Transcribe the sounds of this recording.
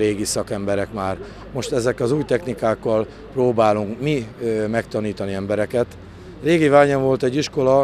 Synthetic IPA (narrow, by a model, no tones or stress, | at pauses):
eːɡisɒkɛmbɛɾɛkmaːr | mo̞ʃt̪ɛzɛkːɒzuːjt̪ɛxnikaːkːɒl | proːbaːluŋkmimɛkt̪ɒniːt̪ɒniɛmbɛɾɛkɛt̪ | reːɡivaːɲɒɱvo̞lt̪ɛɟːiʃko̞lɒ